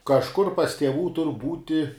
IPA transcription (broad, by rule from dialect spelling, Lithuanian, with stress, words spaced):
kɐʃˈkʊr pɐs tʲiɛˈʋuː tʊr ˈbuːtʲɪ